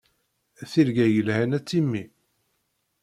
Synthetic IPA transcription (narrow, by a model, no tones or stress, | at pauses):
θiɾɡæjəlhænæt͡sːimːi